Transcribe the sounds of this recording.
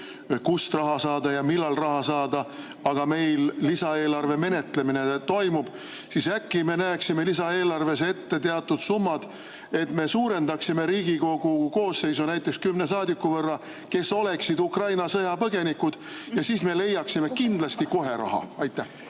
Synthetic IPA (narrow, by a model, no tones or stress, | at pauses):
kust̪rɑɦɑsɑːd̪̥ɑjɑmilːɑlrɑɦɑsɑːd̪̥ɑ | ɑɡ̥ɑme̞jlːisɑe̞ːlɑrve̞me̞ne̞t̪le̞mine̞t̪o̞jmub̥ | sisækːime̞næːksime̞lisɑe̞ːlɑrve̞s̬et̪ːe̞t̪e̞ɑt̪ːˑud̪̥sumːɑd̪̥ | e̞t̪me̞suːɾe̞nd̪ɑksime̞ɾiːɡiko̞ɡ̥uko̞ːsːe̞jsunæjt̪ːˑe̞kskymne̞sɑːd̪ikːˑuvɤrːɑ | ke̞so̞le̞ksid̪ukrɑjnɑsɤjɑpɤɡe̞nikːud̪̥ | jɑsiːsme̞le̞jːɑksime̞kind̪lɑst̪iko̞ɦe̞ɾɑ̰ɦɑ̰ɑjt̪ːˑæh